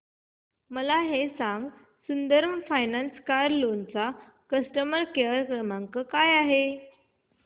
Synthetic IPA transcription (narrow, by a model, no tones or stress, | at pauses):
məlaɦesãŋɡ | sund̪əɾməfajnanskaɾlont͡sa | kəsʈəməɾkeəɾkɾəmãŋkəkajaɦe